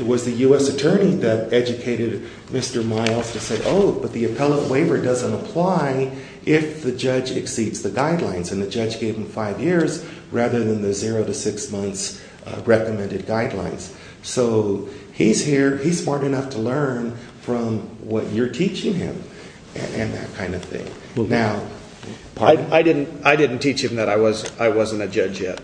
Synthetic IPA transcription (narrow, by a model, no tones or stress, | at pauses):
ɨt̚wʌzðɨjʉɛsɨtʰɜ̃˞niðɨɾɛd͡ʒɨkʰeɪɾɨd̚ | mɪstə˞maɪlˠz̥tʰɨsɛɾo̰ʊb̥ʌt̪̚ðiɨpʰɛlˠə̃nʔweɪvə˞dʌzə̃ntəpʰl̥aɪ | ʔɪfðɨd͡ʒʌd͡ʒɨ̰ksidzðɨɡaɪdˡlãɪ̃nzɨ̃nðɨd͡ʒʌd͡ʒɡeɪṽ̥ɱfaɪvjɪɹzɹæðə˞ðɨ̃nðɨzɪɹoʊɾɨsɪksmʌ̃nθs | ɹɛkɨmɛ̃ndɨd̚ɡaɪdˡlã̰ɪ̃nz̥ | soʊ | iz̥hiɹiz̥smɑɹɾɨnʌftʰəlɜ̃˞n | fɹʌ̃mwʌt͡ʃə˞tʰit͡ʃɪ̃ŋɪ̰̃m | ɨʔɨ̃nðɨ̰t̚kʰãɪ̃ndʌv̥θɪ̰̃ŋ | naʊ | pʰɪaɪdɪdⁿn̩taɪdɪdⁿn̩tʰit͡ʃhɨ̃mðɨɾaɪwʌzaɪwʌzɨ̃ntɨd͡ʒʌd͡ʒjɛ̰t̚